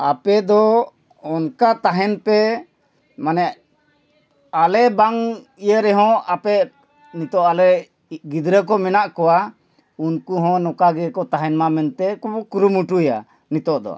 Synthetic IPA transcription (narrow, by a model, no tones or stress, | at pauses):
apɛd̪ɔ | ɔnkat̪aɦɛnpɛ | manɛʔ | alɛbaŋijəɾɛɦɔ̃apɛ | nit̪ɔʔalɛ | ɡid̪ɾək̬ɔmɛnaʔkɔwa | unkuɦɔ̃nɔkaɡɛkɔt̪aɦɛnmamɛnt̪ɛkɔbɔkuɾumuʈuja̰ | nit̪ɔʔd̪ɔ̰